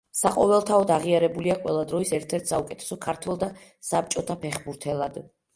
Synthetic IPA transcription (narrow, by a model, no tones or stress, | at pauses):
saqʼɔvɛlˠt̪ʰaɔd̪aʁiaɾɛbuliaqʼwɛlˠad̪ɾɔisɛɾt̪ʰɛɾt̪ʰsaukʼɛt̪ʰɛ̥sɔkʰaɾt̪ʰwɛlˠd̪asap̚t͡ʃʼɔt̪ʰapʰɛχbuɾt̪ʰɛlˠad̪̥